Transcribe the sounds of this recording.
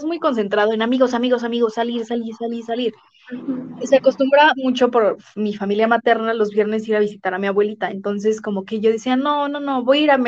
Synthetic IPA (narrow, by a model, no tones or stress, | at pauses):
zmujko̞ns̬e̞nt̪ɾaðo̞enamiɣo̞s̬amiɣo̞samiɣo̞saliɾsaliɾsaliɾsaliɾ | seako̞st̪umbɾamut͡ʃo̞po̞ɾ | mifamiljamat̪e̞ɾnalo̞zβje̞ɾne̞siɾaβ̞isit̪aɾamiaβwe̞lit̪aḛnt̪o̞ns̬e̞sko̞mo̞ke̞ʝo̞ðisianono̞no̞βo̞jaiɾam